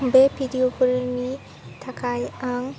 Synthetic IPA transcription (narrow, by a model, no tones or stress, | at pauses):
bebʰʱidiopʰɯɾni | tʰakʰajaŋ